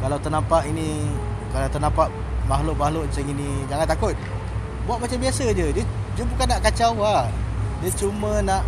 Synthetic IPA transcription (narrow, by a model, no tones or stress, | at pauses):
kalawt̪ərnampaʔini | kalawt̪ərnãmpaʔ | maɦlʊʔ̚mahlʊʔnsaŋinid͡ʒaŋant̪akʊt̪̚ | buaʔ̪̚mat͡ʃambiasəd͡ʒədə | d͡ʒəbukanːaʔkat͡ʃawadət͡ʃumənaʔ